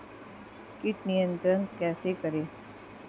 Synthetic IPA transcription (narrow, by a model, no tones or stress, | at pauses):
kɪʈnijə̃nt̪ɾənkɛːsekəɾeː